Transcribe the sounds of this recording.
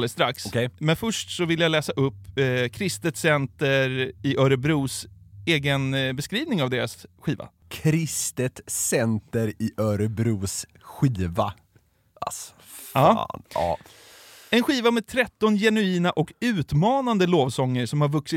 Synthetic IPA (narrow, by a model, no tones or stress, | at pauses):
ləst̪ɾakskʰɛjmɛnfœʂʈsɔvɪlːjalɛːsaʔɵpːkʰɾɪst̪ət̪sɛnt̪əɾɪʔœːɾəbɾuːseːɡənbɛskɾiːvnɪŋavd̪eːɾasɧiːva̰ | kʰɾɪst̪ət̪sɛnt̪əɾɪʔœɾəbɾuːs | ɧiːva̰ | as | ɑːnɑ̰ː | ɛnɧiːvamɛːd̪̚t̪ʰɾɛt̪ːɔnjɛnʉiːnaʔɔkʉ̟ːt̪mɑːnand̪əloːvsɔŋːəɾsɔmhaɾvɵksɪ